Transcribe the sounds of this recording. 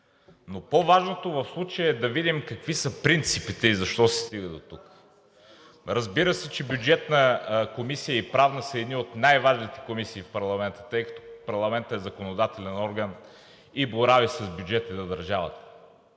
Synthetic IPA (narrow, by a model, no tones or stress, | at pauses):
nopovaʒnot̪ovɐfslˠut͡ʃəjəɛd̪ɐvid̪imkɐkvisəpɾint̪sipit̪ɛizɐʃt̪ɔsɛ̥st̪iɡəd̪ot̪uk | ɾɐzbiɾəsɛt͡ʃɛbjud͡ʒɛt̪nəkomisijəipɾavnəsəɛd̪niot̪najvaʒnit̪ɛ̥komisiːfpɐɾlˠɐmɛnt̪ə̥t̪ɤjkɐ̥t̪ɔ̥pɐɾlˠɐmɛnt̪əɛzɐkonod̪at̪ɛlɛnɔɾɡən | iboɾavisɐzbjud͡ʒɛt̪əd̪ɐd̪ɐɾʒavɐ̰t̪ə̥